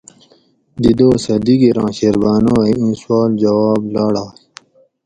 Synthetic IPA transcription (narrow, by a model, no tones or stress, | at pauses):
d̪id̪oːsɐd̪iɡiɾɑ̃ːɕeɾbaːnãːiĩːswaːld͡ʑɐwaːblaːɽaːi